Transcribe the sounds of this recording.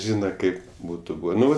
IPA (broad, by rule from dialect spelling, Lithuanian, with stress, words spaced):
ˈʒʲiːnɐ ˈkɐɪp ˈbuːtʊ ˈbuːʋʲeː ˈnʊ